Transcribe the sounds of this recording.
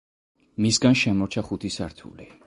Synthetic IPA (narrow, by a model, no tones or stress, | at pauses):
misɡanʃɛmɔɾt͡ʃʰaχut̪ʰisaɾt̪ʰṵli